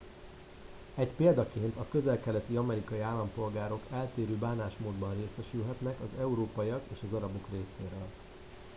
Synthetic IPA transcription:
ɛcpeːld̪ɒkeːnt̪ɒkø̞zɛlkɛlɛt̪iɒmɛɾikɒjiaːlːɒmpo̞lɡaːɾo̞kʰɛlt̪eːɾøːbaːnaːʃmoːd̪bɒnreːsɛʃylɦɛt̪nɛkɒzɛuɾoːpɒiɒkeːʃɒzɒɾɒbo̞kreːseːɾøːl

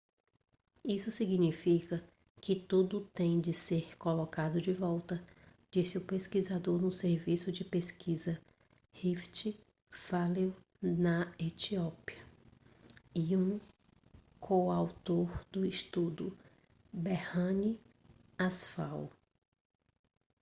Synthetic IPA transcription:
isʊsiɡnifikɐ | kɪt̪ud̪ʊt̪ẽj̃d͡ʒɪseɾkolokad̪ʊd͡ʒɪvɔwt̪ɐ | d͡ʒisɪʊpeskizad̪oɾnʊseɾvisʊd͡ʒɪpeskʰizɐ | hift͡ʃi | faliw | nɐet͡ʃiɔpiɐ | iũ | kʰoawt̪oɾd̪ʊiʃt̪ud̪ʊ | behɐ̃ni | asfa̰w

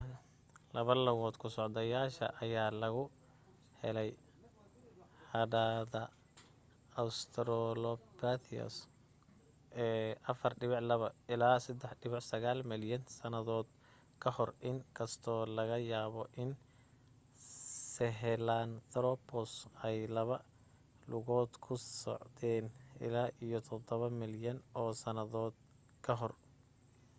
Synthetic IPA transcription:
lɐβɐlɐɣɔːd̪kʰʊsɔʕd̪ɐjaːʃɐ̰ʔɐjaːlɐɣʊ | hɛlɛj | hɐdaːðɐ | ɐwst̪ʰɾɔlɔpat̪ʰiɐ̰s | ʔɛːʔɐfɐrɖɪβɪʕlɐβɐɪlaːsɐd̪ɛħɖɪβɪʕsɐɣaːlmɪljɐnsɐnɐðɔːd̪ | kʰɐhɔrʔɪŋkʰɐst̪ʰɔːlɐɣɐjaːβɔʔɪn | sɛɦɛlaːnt̪ʰɾɔpʰɔsɛjlɐβɐ | lʊɣɔːd̪kʰʊsɔ̰ʕd̪ɛːnɪ̰laːʔijɔt̪ʰɔd̪ɔβɐmɪljɐnɔːsɐnɐðɔːd̪̚ | kʰɐɦɔr

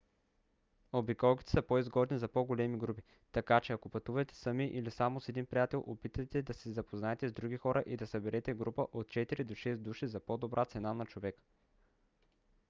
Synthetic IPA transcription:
obikɔlˠki̥t̪ɛ̥səpoizɡɔd̪nizɐpoɡolɛmiɡɾupi | t̪ɐkat͡ʃɛɐkopɐt̪uvɐt̪ɛ̥sɐmiʔilisamosɛd̪inpɾijat̪ɛlˠʔopit̪ɐjt̪ɛd̪ɐsɛzɐpoznaɛt̪ɛzd̪ɾuɡʲixɔɾəʔid̪ɐsɐbɛɾʔɛt̪ɛɡɾupəʔot̪̚t͡ʃɛt̪iɾid̪oʃɛsd̪uʃizɐpod̪obɾʔat̪sɛnanɐt͡ʃovɛkə̥

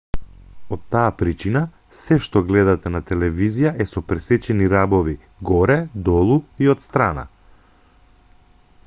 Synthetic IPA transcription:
ɔt̪ːaːpɾit͡ʃina | sɛʃt̪ɔɡlɛd̪at̪ɛnat̪ɛlɛvizijaʔɛsɔpɾɛsɛt͡ʃɛniɾabɔvi | ɡɔɾɛd̪ɔlˠuiot̪st̪ɾana̰

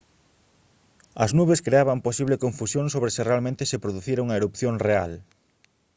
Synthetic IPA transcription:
ɐ̰znuβeskɾeaβɐmposiβlekoɱfusjoŋsoβɾesɪrealmẽnt̪ɪsepɾoðuθiɾoŋɐeɾupθjõŋreal

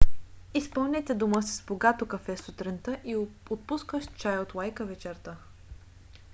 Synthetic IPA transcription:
ispəlˠnʲɛt̪ɛd̪uməsəzboɡat̪okɐfɛsut̪ɾint̪əʔiot̪̚puskəʃt͡ʃajot̪lˠajkəvɛt͡ʃɛɾt̪ə

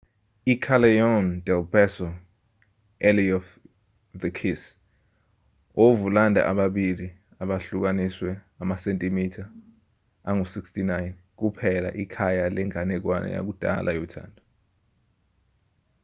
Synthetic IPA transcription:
ikʰalɛjɔndɛlbɛsɔ | eliɔf | dəkʰis | ovulandʱa̰ʔaɓaɓili | aɓaɬuk̬aniswɛ | amasentʼimitʰaː | ŋusikstinajnk̬upʰɛla̰ʔikʰajalɛŋanɛk̬wa̰nɛ̰ja̰k̬ud̥ʱa̰lʔajɔtʰa̰ːndʰʱʼu

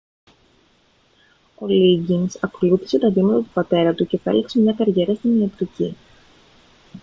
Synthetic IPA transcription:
o̞liɟinsɐkoluθi̥se̞t̪ɐðimɐt̪ɐt̪upɐt̪e̞ɾɐt̪uce̞θɐe̞̰lekse̞mɲɐkɐɾʝe̞ɾɐst̪iniɐt̪ɾici

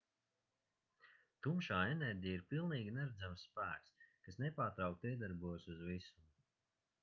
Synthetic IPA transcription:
t̪umʃaːɛnɛɾʲɟijiɾpilˠniːɡʲinɛɾad̪zamsːpæːkskasnɛpaːɾt̪ɾawkt̪iɛd̪aɾbuɔjsuzvisu̥

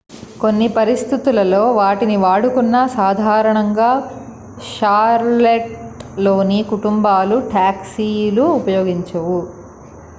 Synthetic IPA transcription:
ko̞nːipɐɾist̪ʰit̪ulɐlo̞ːʋaːʈiniʋaːɽukunːɐsaːd̪ʱaːɾɐɳɐŋɡaː | ʃaːɾleʈloːnikuʈumbaːluʈaːksiluːpɐjoːɡiɲt͡ʃɐwu

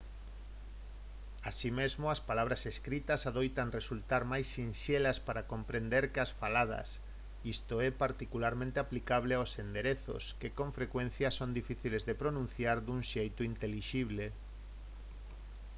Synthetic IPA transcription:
asimezmoaspalaβ̞ɾaseskɾit̪ɐsaðojt̪aŋresult̪aɾmajsːinʃelaspaɾakompɾend̪eɾkɪasfalað̞ɐ̰s | ist̪oɛpaɾt̪ikulaɾmẽnt̪eaplikaβleaosend̪eɾeθʊ̰skekõɱfɾekwẽn̟θjɐsond̪ifiθilezðepɾonũn̟θjaɾðuŋʃejt̪ʊint̪eliʃiβle

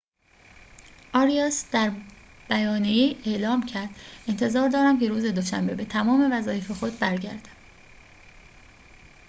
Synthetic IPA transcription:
ʔɒːɾijɑsd̪̥æɾ | b̥æjɒːnijeje̞ʔlɒːmcʰæɾd̪̥e̞nt̪ʰe̞zɒːɾd̪ɒːɾæmcʰe̞ɾuːze̞d̪o̞ʃæ̰mbe̞be̞t̪ʰæmɒːme̞væzɒːjefe̞xo̞d̪̚bæɾɟæ̰ɾd̪æ̥m

